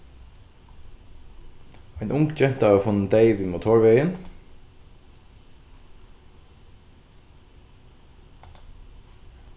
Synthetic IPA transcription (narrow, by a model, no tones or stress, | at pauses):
æɪnʔʊŋɡd͡ʒɛn̥t̪aʋəfʊnːənd̪eɪʋimuːt̪ʰɔːɹʋeɪjən